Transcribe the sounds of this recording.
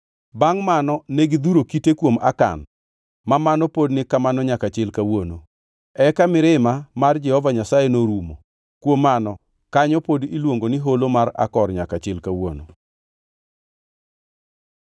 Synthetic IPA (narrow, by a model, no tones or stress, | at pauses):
baŋmanɔneɡid̪uɾokitekwoma̰ka̰n | mamanɔpodnɪkamanɔɲakat͡ʃɪlkawono̰ | ɛkamɪɾɪmamard͡ʒɛhɔvaɲasajenoɾumo̰ | kwomːanɔ | kaɲɔpodilwoŋɡonɪɦolomaɾa̰kɔrɲakat͡ʃɪlkawo̰no